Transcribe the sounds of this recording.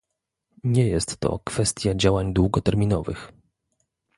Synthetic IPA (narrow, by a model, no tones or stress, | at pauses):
ɲɛjɛst̪ːɔ̰kfɛst̪ʲjad͡ʑawaɲd̪wuɡɔt̪ɛɾmʲinɔvɘ̰x